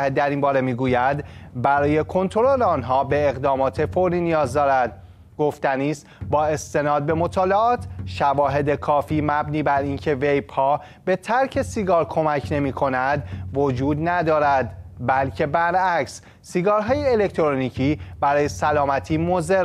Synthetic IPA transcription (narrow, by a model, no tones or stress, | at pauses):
ed̪ːæɾinmbɒːɾe̞miːɡuːjæd̪bæɾɒːje̞kʰo̞nt̪ʰoɾoleɒːnɦɒːbe̞ːɣd̪ɒːmɒːt̪ʰe̞foɾiːnijɒːzd̪ɒːɾæd̪̚ | ɡ̥o̞ft̪æniːst̪bɒːe̞st̪e̞nɒːd̪̚be̞mo̞t̪ʰɒːleɒːt̪ʰʃævɒːɦe̞d̪e̞kʰɒːfiːmæbniːbæɾiːncʰe̞ve̞jpʰɒː | be̞t̪ʰæɾcʰe̞siɡɒːɾkʰo̞mæcʰne̞miːkʰo̞næd̪vo̞d͡ʒuːd̪næd̪ɒːɾæd̪bælcʰe̞bæɾæcs | siɡɒːɾɦɒːjeːle̞ct̪ʰoɾoniːcʰiːbæɾɒːje̞sælɒːmæt̪ʰiːmozeɾ